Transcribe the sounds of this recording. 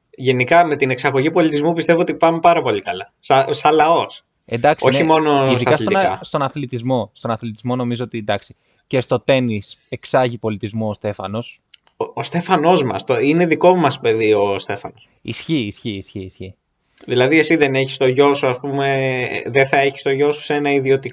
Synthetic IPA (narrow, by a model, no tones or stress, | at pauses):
ʝe̞nikɐme̞t̪ine̞ksɐɣo̞ʝipo̞lit̪izmu̞pist̪e̞voot̪ipɐmepɐɾɐpo̞likɐlɐ | sɐsɐlɐo̞s | end̪ɐksioçimo̞noisðiɐkɐsiotɐst̪o̞nɐθlit̪izmo̞st̪onɐθlit̪izmo̞no̞mizoot̪iend̪ɐksi̥ | ce̞st̪o̞t̪e̞nise̞ksɐʝipo̞lit̪izmoːst̪e̞fɐno̞s | ost̪e̞fɐno̞zmɐ̰st̪oine̞ðikomɐspe̞ðiost̪e̞fɐnos | isçiːsçiːsçiːsçi | ðilɐðie̞siðe̞neçi̥st̪o̞ʝo̞soɐspumeðeθɐeçi̥st̪oʝo̞su̥senɐiðio̞t̪i